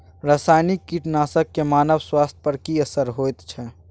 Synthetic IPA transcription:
ɾaːsaːjnikːiʈnaːsəkːemaːnəʋswaːst̪̚ʰpəɾkiɐsəɾɦoːt̪t͡ʃʰɛ

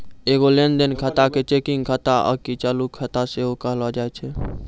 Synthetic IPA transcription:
eɡolend̪enkʰət̪aket͡ʃekiŋkʰət̪aʔə̰kit͡ʃalukʰət̪aseɦokəɦlɔd͡ʒaet͡ʃʰɛ

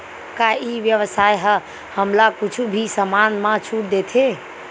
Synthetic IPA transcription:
kaiʋjəʋəsajɦə | həmlakut͡ʃʰubʱisəmanmãt͡ʃʰuʈd̪et̪ʰe

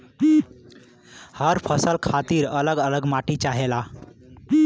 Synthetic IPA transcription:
həɾpʰəsəlkʰat̪iːɾələɡələɡmaʈit͡ʃaɦela

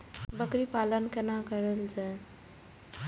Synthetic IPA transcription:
bəkɾipalənkenakəɾəlt͡ʃɛ

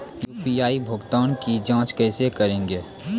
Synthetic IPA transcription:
juːpijaːibʱʊɡt̪aːnkid͡ʒãːt͡ʃkɛːsekɐɾẽːŋɡeː

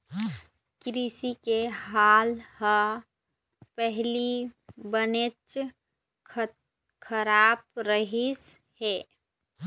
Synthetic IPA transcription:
kɾisikeɦaːlhə | pɛɦlibənet͡ʃʰ | kʰəɾaːb̚ɾəɦis | he

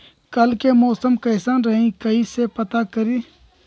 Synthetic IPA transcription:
kɐlkemɔːsəmkɐːsaːnɾɐɦĩkəisepɐt̪akəɾiː

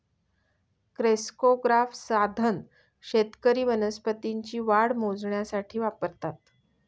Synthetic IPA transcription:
kɾeskoɡɾafsad̪ʱən | ɕet̪kəɾiːʋənəspət̪iɲt͡ɕiːʋaɽmod͡zɳjasaʈʰiːʋapəɾt̪at̪̚

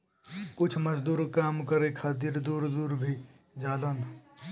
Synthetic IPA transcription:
kʊt͡ʃʰməd͡ʒd̪uːɾkaːmkəɾekʰaːt̪̬iːɾd̪uːɾd̪uːɾbʱid͡ʒaːd̪ən

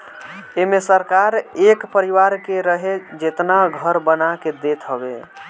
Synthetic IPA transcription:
emesəɾkaɾekpəɾiʋaɾkeɾəɦed͡ʒet̪naɡʱəɾbənaked̪et̪ʰɦəbḛ

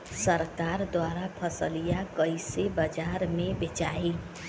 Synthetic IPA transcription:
səɾkaɾd̪waɾapʰəsəlijakəjsebəd͡ʒaɾmebet͡ʃaɦi

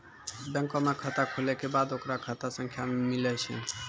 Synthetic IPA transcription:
bɛ̃ŋkɔmakʰat̪akʰolekebad̪okɾakʰat̪asɔŋkʰjamilɛt͡ʃʰḛ

